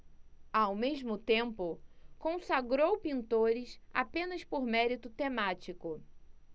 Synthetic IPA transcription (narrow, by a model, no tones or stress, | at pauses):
awmeʒmʊt̪ẽmpʊkõsaɡɾowpĩnt̪oɾɪsa̰pẽnɐspoɾmɛɾit̪ʊt̪emat͡ʃikʊ